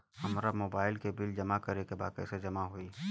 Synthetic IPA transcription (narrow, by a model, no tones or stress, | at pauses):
hɐmɾamoːbaːɪlkebɪld͡ʒɐmakɐɾekebaːd̪kɛ̰ːsed͡ʒɐmaɦoiː